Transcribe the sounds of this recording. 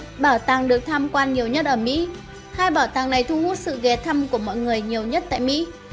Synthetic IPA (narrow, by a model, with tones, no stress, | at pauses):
ɓaː˧˩wt̪aː˨˩ŋɗɨ˨˩ək̚t̪ʰaː˧mkwaː˧nɲi˨˩əwɲə˦˥t̚ʔəː˧˩mḭ˧˥ | haː˧jɓaː˧˩wt̪aː˨˩ŋna˨˩jt̪ʰu˧hu˦˥t̚sɨ̰˧˨ɣɛ˨˩t̪ʰə˧mku˧˩əmɔ̰˧˨jŋɨ˨˩əjɲi˨˩əwɲə˦˥t̚t̪a̰ː˧˨jmḭ˧˥